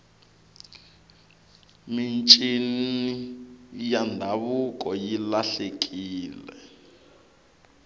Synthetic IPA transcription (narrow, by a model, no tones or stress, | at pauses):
mint͡ʃʼinijandʱaβukʼɔjilaɬekʼiːlɛ̰